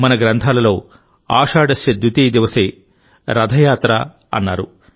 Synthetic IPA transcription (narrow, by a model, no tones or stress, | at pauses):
mɐnɐɡɾɐnt̪ʰaːlɐlo̞ː | a̰ːʂaːɖɐsɐd̪ːut̪iːd̪iʋɐseː | ɾɐd̪ʱɐjaːt̪ɾɐ | ɐ̰nːa̰ːɾṵ